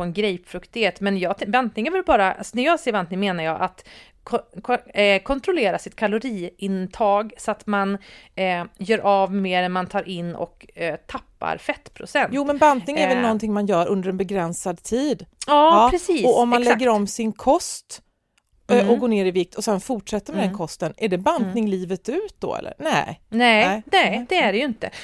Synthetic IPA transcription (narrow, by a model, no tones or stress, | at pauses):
ɔɛnɡɾɛjpfɾɵkt̪ɪɡheːt̪mɛnjɑːt̪bant̪nɪŋæɾvɪlbɑːɾaʔa̰sɔnæɾjɑːseːvant̪nɪŋmeːnaɾjɑːʔat̪ʰ | kʰɔnt̪ɾʊleːɾasɪt̪kʰalʊɾiːʔɪnt̪ʰɑːɡsɔat̪man | jœːɾʔavmeːɾɛnmant̪ʰɑːɾʔɪnːɔ̰kt̪ʰapːa̰ɾfɛt̪ːpʰɾʊ̰sɛnt̪juːmɛnbant̪nɪŋɛɛvɛlnɔnt̪ʰɪŋmanjœːɾʔɵnd̪əɾɛnbɛɡɾɛnsad̪t̪ʰiːd̪jɑːɾɛsiːɔɔmːanɛɡːəɾɔmːsɪnkʰɔst̪ | ʔʔɔɡoːɳeːɾɪvɪk̚t̪ʰɔsɛnfʊʈʂɛt̪ːəɾmɛd̪ɛnkʰɔst̪ənæɖɛband̪nɪŋliːvət̪ʉ̟ːt̪̚d̪ɔ̰ɛ̰lːə̰ɾnɛɪnɛɛnɛd̪̥ɛæɖɛjɵɪnt̪ə